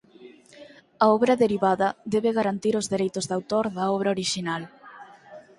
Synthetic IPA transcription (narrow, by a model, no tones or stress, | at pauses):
ɐɔβɾɐðeɾiβaðɐðɛβɪɣaɾant̪iɾʊzðeɾejt̪ʊzðawt̪oɾðɐɔβ̞ɾaoɾiʃinal